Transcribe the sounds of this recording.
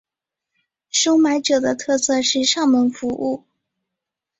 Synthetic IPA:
ʂo˥ʊma˧˥ɪʈ͡ʂɤ˨˩d̪ə˦t̪ʰɤ˥˧sɤ˥˧ʂɻ̩˥˧ʂɑ˥˩ŋmə˧˥nfu˧˥ʔu˥˩

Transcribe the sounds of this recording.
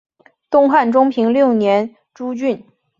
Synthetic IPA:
t̪ʊ˥˧ŋxa˥˩nʈ͡ʂʊ˥ŋpʰi˧˥ŋljo˥˩ʊnjɛ˧˥n | ʈ͡ʂu˥t͡ɕy˥˩n

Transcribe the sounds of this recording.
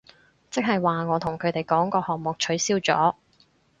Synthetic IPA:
t͡sɪ˥k̚hɐ˨jwaː˨ŋɔː˨˧t̪ʰʊ˨˩ŋkʰɵ˨˧t̪e˨jkɔː˨˥ŋkɔː˧hɔː˨ŋ̚mʊ˨k̚t͡ʃʰɵ˨˥ɥsiː˥wt͡sɔ̰ː˨˥

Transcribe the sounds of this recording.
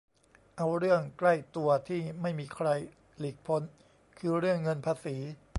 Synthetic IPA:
ʔa˧wɾɯ˥˩əŋkla˥˩jt̪u˧ɐt̪ʰiː˥˩ma˥˩jmiː˧kʰɾa˧j | li˨˩k̚pʰo˩˦˥n | kʰɯː˧ɾɯ˥˩əŋːɤ˧npʰaː˧siː˩˦

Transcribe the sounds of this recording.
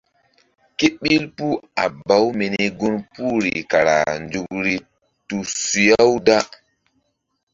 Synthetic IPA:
ke˦ɓi˦lpu˦a̰˨ba˨˦wmi˨ni˦ɡu˦npu˦ɾḭ˨ka˨ɾa̰˨nd͡ʒu˨ɓɾi˨ | tu˨su˨ja˦wda˦

